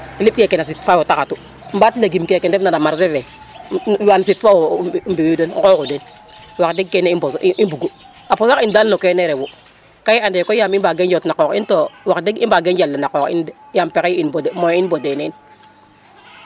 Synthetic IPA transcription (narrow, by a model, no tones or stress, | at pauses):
ilip̚kɛkɛnas̬itfawotakatu | m̩batlaɡimkekɛndɛnanamaɾsɛvɛ | jansitfambiudenkokuden | wakdiɡ̚kɛneibɔsʔibuɡu | aposakindalːokɛneɾɛwu | kajiandɛkɔjamimbaɡend͡ʒotnakɔːkḭntowakdeɡimbaɡend͡ʒalːanakɔkḭnjampekɛinbodmoinbodenen